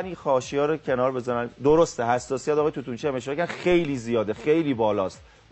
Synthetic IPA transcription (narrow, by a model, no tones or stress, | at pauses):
nixɒːʃijɒːɾocʰe̞nɒːɾbe̞zænænd̪oɾost̪ehæsːɒːsijæt̪ɒɣɒjt̪ut̪unt͡ʃʰiæmeʃ̬ɔɾɑkʰæɾæxejliːzijɒːd̪exe̞jliːbɒːlɒːst̪